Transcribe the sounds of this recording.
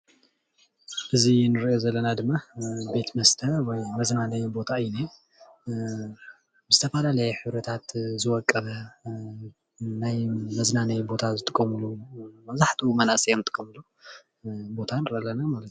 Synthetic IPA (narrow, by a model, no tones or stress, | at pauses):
ʔɨzinɨɾiʔozɐlːɐnad̪ɨmːabe̞t̪mɐst̪ʰɐwɔjmɐznanɐjbo̞t̪ʰaɨjna | bɨzɨt̪ʰɐfalalɐjɛħɨβɾɐt̪ʰat̪zɨwɔkʼːɐβɐ | najmɐznanɐjbo̞t̪ʰazɨt̪ʼɨkʼːɐmɨlumɐzaħt̪ʰiumɐnasʼijomɨt̪ʼɨ̥kʼːɐmɨlu | bo̞t̪ʰanɨɾɐʔlːɐnamalɐt̪